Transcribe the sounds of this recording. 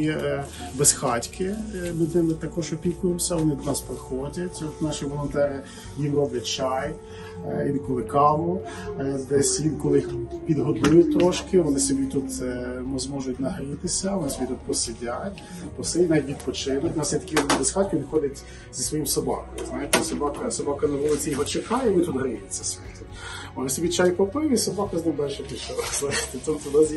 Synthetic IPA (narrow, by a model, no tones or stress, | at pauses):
i | besxɑtʲkʰɪmɪd̪nɪmɪt̪ɐkɔʒɔpʲikʊjɪmsʲɐʋɔnɪd̪nɑspɾɪxɔdʲɐtʲɔt̪nɑʃiʋɔlˠɔnt̪ɛɾɪ | jʲinrɔblʲɐt̚ʲt͡ʃɑj | jʲinkɔlˠɪkɑʋʊ | d̪ɛsʲʋʲinkɔlˠɪpʲid̪ɦɔd̪ujʊt̪ɔʃkɪʋɔnɪsʲɔbʲit̪ut̪mzmɔʒʊt̚ʲnɐɦɐlʲɪt̪ɪsʲɐʋɔnɪsʲɔbʲit̪ut̪̚pɔsɪdʲatʲ | ɔsɛjinaiit̪pɔt͡ʃɪnɐtʲnɑsɛt̪ɐkinɪd̪ɪsxɑt̪ʲkʲʊʋ̪ʲixɔdʲɐtʲ | z̥ɐsʋɔjimsɔbɑ̰kɔjʊznɑjet̪ɛsɐbɑkɐsɔbɑkɐnɐɦɔlˠɪt͡sʲijɔɦɔt͡ʃekɑjɛʋɔnɪt̪ud̪ɦɾɪjɪt͡sʲːɐsbʲit̪ut̪ʋɔnɪsʲɔbʲit͡ʃɑjʊpɐpɪjʊisɔbɑkɐznɐmbɛlʲʃɛpɪʃɛɾɐst̪ɛt̪ɔnt̪ɛd̪ɔzʲi